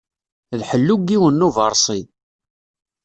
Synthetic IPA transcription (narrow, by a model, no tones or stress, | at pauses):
ðħəlːuɡiwənːuvəɾˤsˤi